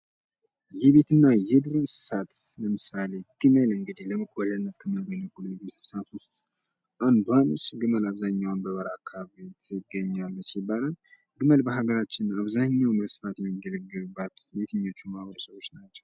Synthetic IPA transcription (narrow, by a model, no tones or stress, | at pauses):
jɛβe̞t̪ɨnːajɛd̪ɨɾɨnsɨ̥sat̪ləmɨsale̞ɡ̥ɨməlɨŋɡɨd̪ihləmɨkʼwɔʒənːət̪kʰəmjaɡənəɡuljbet̪ɨ̥sat̪wʊst̪ | ʔand̪uanusɡɨməlaβzaɲːawnbəβəɾakʰːaβbet̪ʰɪɡːəɲːalːəsibːalən | ɡɨməlbəɦaɡəɾat͡ʃːɪnaβzaɲːawnəsɨfat̪jɛmːiɡələɡːəɾɨbːət̪jɛt̪ʰɨɲːot͡ʃːumahβəɾəsəβo̞t͡ʃːnat͡ʃːɛw